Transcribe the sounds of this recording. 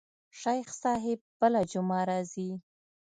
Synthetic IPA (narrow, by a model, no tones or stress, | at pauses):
ʃajxsɑɦɪb̚bəlad͡ʒʊmɑɾɑzi